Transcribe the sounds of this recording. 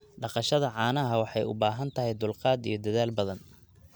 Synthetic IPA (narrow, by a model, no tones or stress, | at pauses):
ɖɑqɑʃɐðɐʕɑːnɐɦɐwɑħɑjʊ̰baːɦɐnt̪ʰɐɦɛjd̪ʊlqɑːd̪ijɞd̪ɐðaːlbɐðɐn